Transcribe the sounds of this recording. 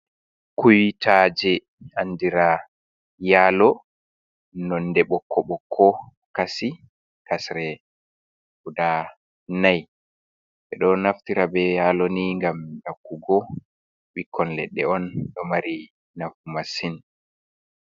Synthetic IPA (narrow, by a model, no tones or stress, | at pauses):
kujtʰad͡ʒɛ | andiɾa | jaːlɔ | nɔndɛɓɔkʰːɔɓɔkʰːɔ | kasi | kasɾɛ | kuda | naj | ɓɛɗɔnaftiɾabɛjalɔniŋɡamdakːuɡɔ | wikʰːɔnlɛ̰ɗːɛ̰ɔnɗɔmaɾi | nafumasin